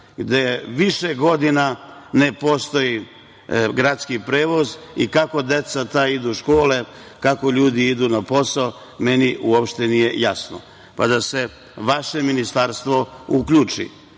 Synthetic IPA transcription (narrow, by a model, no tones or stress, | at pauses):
ɡd̪e̞ʋiʃeɡo̞d̪inane̞po̞st̪o̞ji | ɡɾat̪skipɾe̞ːʋo̞zikako̞d̪e̞t̪sat̪aid̪uʃko̞ːle̞ | kakoʎuːd̪iid̪unapo̞sao | me̞niʔuopʃt̪e̞nije̞jasno̰ | pad̪ase̞ | ʋaʃe̞minist̪aɾst̪ʋo̞ukʎuːt͡ʃḭ